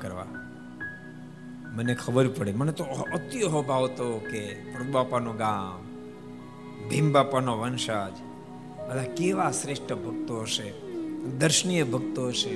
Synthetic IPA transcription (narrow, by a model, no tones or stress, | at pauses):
kəɾʋa̰ | mənekʰəbəɾpəɽemənet̪oət̪iəɦobʱaʋt̪okepɾut̪bapanoɡam | bʱimbapanoʋənʃad͡ʒ | ɦəlakeʋasɾeʂʈʰəbʱəɡ̚t̪oɦəʃed̪əɾʃənijəbʱəɡ̚t̪oɦəʃe